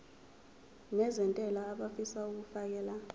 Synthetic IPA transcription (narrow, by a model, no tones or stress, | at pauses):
nɛzɛntʼɛlaːɓafisauk̬ufak̬ɛːla